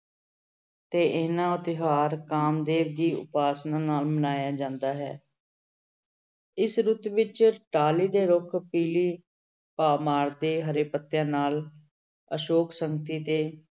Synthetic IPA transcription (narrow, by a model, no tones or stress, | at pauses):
t̪eːʔeːnãːʊt̪ɪɦaːɾkaːmd̪eːʋd̪iːʊ̰paːsnãːnaːlmənaːjaːd͡ʒãːnd̪aːɦɛ̰ː | ɪsɾut̪ʋɪt͡ʃʈaːliːd̪eːɾʊkʰpiːliː | paːmaːɾd̪eːɦəɾeːpət̪ːjãːnaːl | əʃoːksəŋɡət̪iːt̪eː